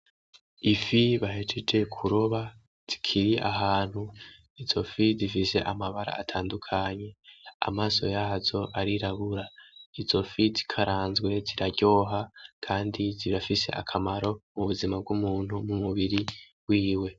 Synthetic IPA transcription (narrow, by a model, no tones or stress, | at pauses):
ifiβaɦet͡ʃed͡ʒe̞kʰuɾo̞βa | z̥i̥kʰiɾiʔa̰ɦaːn̥hu | izo̞fizifise̞̰ʔamaβaɾa̰ːtʰaːndukʰaɲe̞a̰maːso̞jaːzo̞ʔaɾiɾaβuɾaizo̞fizi̥kʰaɾaːnzɡwe̞ziɾaɟo̞ːɦakʰaːndiziɾafise̞̰ʔa̰kʰamaɾo̞muβuzimab̚ɡumuːnhumumuβiɾibwiːwe̞